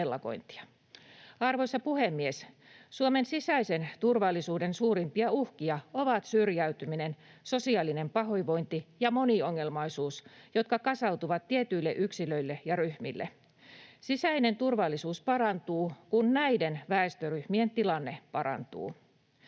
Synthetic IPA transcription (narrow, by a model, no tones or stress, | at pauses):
elːɑko̞̰jnt̪i̥ɑ̥ | ɑrʋoisːɑpuhemːies | suomensisæisent̪urʋɑlːisuːdensuːɾimpiɑuhkiɑoʋɑt̪syrjæyt̪yminenso̞siɑːline̞mpɑɦoiʋo̞jnt̪ijɑmo̞nio̞ŋːe̞lmɑisuːsjo̞t̪kɑkɑsɑwt̪uʋɑt̪tːiet̪yilːḛʔyksiløilːejɑryhmilːe | sisæine̞nt̪urʋɑlːisuːspɑɾɑnt̪uːkunnæidenʋæest̪øryhmient̪ilɑnːepɑɾɑ̰nt̪ṵː